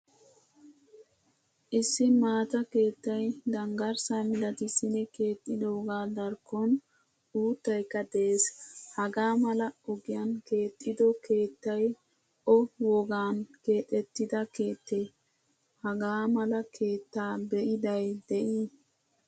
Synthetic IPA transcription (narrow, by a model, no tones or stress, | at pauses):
ʔɪsːɪmaːt̪ɐke̞ːt̪ːɐjd̪ɐŋɡɐɾsamɪlɐt̪ɪsɪnɛke̞ːt̪ʼːɪd̪oːɡaːd̪ɐɾkːɔn | uːt̪ːɐjkːɐd̪eːshɐɡaːmɐlɐɔɡɪjanke̞ːt̪ʼːɪd̪ɔkʰe̞ːt̪ːɐj | ʔɔwɔɡaːnke̞ːt̪ʼːɛt̪ːɪd̪ɐke̞ːt̪ːe | hɐɡaːmɐlɐkʰe̞ːt̪ːaːbɛʔɪd̪ɐjd̪ɛʔiː